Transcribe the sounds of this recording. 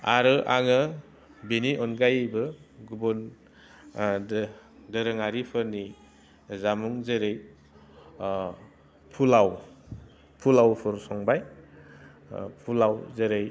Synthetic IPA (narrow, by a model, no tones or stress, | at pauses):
a̰ɾɯʔaŋɯ | beniʔɔnɡajbɯɡubɔn | dɯɾɯŋaɾipʰɯni | zamuŋzeɾej | pʰulaw | pʰulawpʰɔɾsɔŋbaj | pʰulawzeɾej